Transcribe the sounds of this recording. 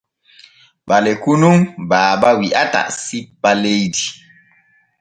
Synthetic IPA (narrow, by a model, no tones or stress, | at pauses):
ɓalekunumbaːbawiʔa̰ta̰sipːalejdi